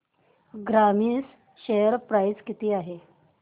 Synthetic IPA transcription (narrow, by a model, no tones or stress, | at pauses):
ɡɾamiːs | ɕejəɾpɾajd͡zkit̪iːaɦe